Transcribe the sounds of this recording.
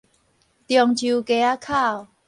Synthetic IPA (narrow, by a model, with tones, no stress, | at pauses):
t̪jɔ˨˩ŋt͡ɕʰu˨ke˧a˦kʰa˥˨w